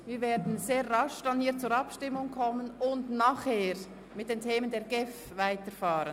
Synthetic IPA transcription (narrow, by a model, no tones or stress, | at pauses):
viːɾveːɐdn̩zeːʁʁɑʃd̥anhiːɐt͡suːɾɑpʃtɪmːʊŋkʰɔmːənʊndnaːχheːɾ | mɪt̚d̥eːntʰeːməndeːɐɾɡɛf | vaɪtəɾfɑːɾən